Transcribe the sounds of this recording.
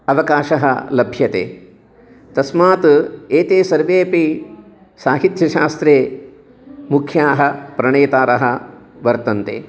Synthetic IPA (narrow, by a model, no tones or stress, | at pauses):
ɐʋɐkaːʃɐɦɐ̰lɐbʱjɐt̪ḛː | t̪ɐsmaːt̪eːt̪eːsɐɾʋeːpi | saːɦit̪jɐʃaːst̪ɾeː | mukʰjaːɦɐpɾɐɳeːt̪aːɾɐɦɐʋɐɾt̪ɐnt̪ḛː